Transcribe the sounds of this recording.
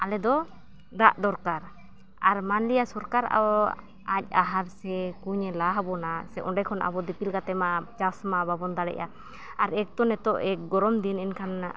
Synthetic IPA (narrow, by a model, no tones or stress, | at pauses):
ʔalɛd̪ɔ | d̪aʔd̪ɔɾkaɾ | aɾmanlijasɔɾkaɾʔa̰ɔ | ac̚ˀaɦaɾsɛkuɲɛlaɦbɔnasɛʔɔɖɛkʰɔnʔa̰bɔd̪ipilkat̪ɛmat͡ʃasmababɔnd̪aɽɛ̰ʔa | aɾɛk̚t̪ɔnɛt̪ɔʔɛk̚ɡɔɾɔmd̪inɛnkʰana